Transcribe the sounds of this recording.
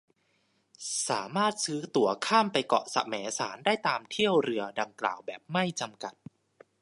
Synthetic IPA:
sa̰ː˩˦maː˥˩t̪̚sɯː˦˥t̪u˩˦ɐkʰaː˥˩mpa˧jkɔ̰˨˩sa̰˧mɛː˩˦sa̰ː˩˦ndaː˥˩jt̪aː˧mt̪ʰi˥˩əwɾɯ˧əda˧ŋkla̰ː˨˩wbɛː˨˩p̚ma˥˩jt͡ɕa˧mka˨˩t̪̚

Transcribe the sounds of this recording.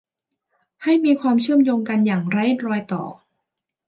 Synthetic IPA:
ha˥˩jmiː˧kʰwaː˧mt͡ɕʰɯ˥˩əmjoː˧ŋka˧njaː˨˩ŋɾa˧˥jɾɔː˧jt̪ɔ̰ː˨˩

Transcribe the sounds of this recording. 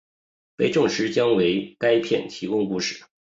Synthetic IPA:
pe˥ɪʈ͡ʂʊ˥˩ŋʂɻ̩˧˥t͡ɕjɑ˥ŋwe˧˥ɪka˥ɪpʰjɛ̰˥˩nt̪ʰi˧˥kʊ˥ŋku˥˧ʂɻ̩˥˩

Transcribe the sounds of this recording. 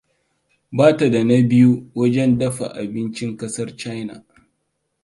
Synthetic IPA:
baː˦ta˨da˨na˦bɪ˦ju˦wɐ˦d͡ʒɛ˦ndɐ˦ɸa̰˨ʔa̰˨bɪ˦nt͡ʃɪ˦ŋkɐ˦sɐ˦rt͡ʃa˦jna̰˨

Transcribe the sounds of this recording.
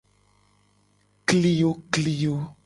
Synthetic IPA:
kli˦jo˦kli˨jo˦

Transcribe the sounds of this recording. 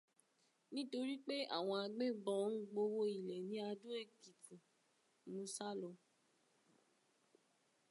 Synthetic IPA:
nĩ˦to˧ɾi˦k͡pe˦a̰˦˨w̃ɔ̃˧a˧ɡ͡be˦bɔ˧n̩˦ɡ͡bo˧wo˦i˨lɛ˨nĩ˨˦a˧dũ˦e˦˨ki˨tĩ˨ | mũ˧˦sa˦lɔ˨˧

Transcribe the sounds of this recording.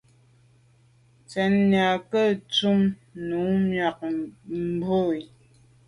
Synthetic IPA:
t͡sɛ˨nn˨a˨kə˦˨t͡su˦˨mnu˨˦mɥa˨k̚m̩˨bo˦˨i˨

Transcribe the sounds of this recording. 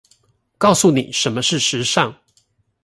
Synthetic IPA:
kɑ˥˧ʊsu˥˩nḭ˨˩ʂə˧˥nmə˧ʂɻ̩˥˩ʂɻ̩˧˥ʂɑ˥˨ŋ

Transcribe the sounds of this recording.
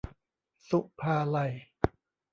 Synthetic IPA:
su˧˩ʔpʰaː˧la˧˩j

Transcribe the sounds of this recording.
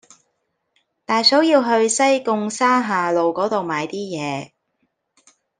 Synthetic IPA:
t̪aː˨jsɔ˨˥wjiː˧wɦɵ˧ɥsɐ˥jkʊ˧ŋsaː˥ɦaː˨lo˨wkɔː˨˥t̪o˨wmaː˨˧jt̪iː˥jɛː˨˧

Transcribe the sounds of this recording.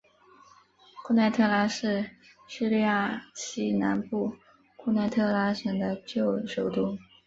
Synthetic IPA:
kʰu˥˧na˥˧ɪt̪ʰɤ˥˧la˥ʂɻ̩˥˩ | ɕy˥˧li˥˧ja˥˩ɕi˥na̰˧˥npu˥˩ | kʰu˥˧na˥˧ɪt̪ʰɤ˥˧la˥ʂə˨˩ŋd̪ə˦t͡ɕjo˥˩ʊʂo˨˩ʊt̪u˥˩

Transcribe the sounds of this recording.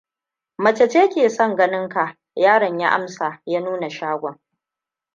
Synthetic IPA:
mɐ˨t͡ʃɛ˨t͡ʃeː˦kʲeː˨sɔ˦ŋɡɐ˦nɪ˦ŋka˨ | jaː˦ɽɐ˨ɲja˦ʔa̰˦msaː˨jaː˦nuː˦na˨ʃaː˦ɡʷɔ˨ŋ

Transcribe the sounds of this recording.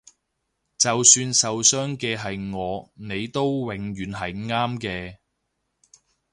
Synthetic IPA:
t͡sɐ˨wsyː˧nsɐ˨wsœː˥ŋkɛː˧ɦɐ˨jŋɔː˨˧ne˨˧jt̪o˥wwɪ˨˥ŋɥyː˨nɦɐ˨jŋaː˥mkɛː˧

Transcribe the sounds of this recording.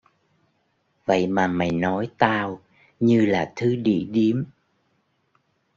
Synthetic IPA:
və̰˧˨jmaː˨˩ma˨˩jnɔ˨˦jt̪aː˧w | ɲɨ˧laː˨˩t̪ʰɨ˨˦ɗḭ˧˨ɗi˨˦əm

